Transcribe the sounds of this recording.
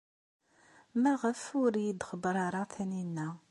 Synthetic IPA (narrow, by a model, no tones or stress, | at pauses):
mæʁəfʊɾjid̪χəbɾˤɑɾˤɑθæninːæ